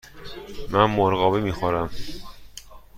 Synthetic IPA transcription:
mænmoɾɣɒːbimiːxoɾæm

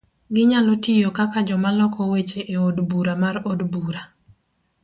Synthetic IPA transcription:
ɡɪɲalɔtijokakad͡ʒɔmalɔkɔwet͡ʃeʔeodbuɾamarodbuɾa

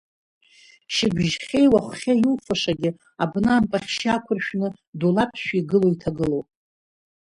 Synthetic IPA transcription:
ʃɪbʷʒχʲe̞jwaχʷχʲajulfaʂaɡʲɪ | abnaːmpʼaχʲʃakʷʰʊrʃᶣnɨ | dulapʰʃᶣiɡɨloitʰaɡɨlowpʼ

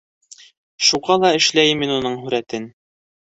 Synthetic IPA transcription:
ʃuʁɑlˠɑɘ̆ʃlæjminunɤɴɦʉɾæt̪ɘn

